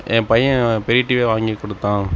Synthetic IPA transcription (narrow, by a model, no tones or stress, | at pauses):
ʔɛ̃ːpɐjɐ̃pɛɾɪʈːiʋeːʋaːŋɡikːɔɽɯt̪ːãː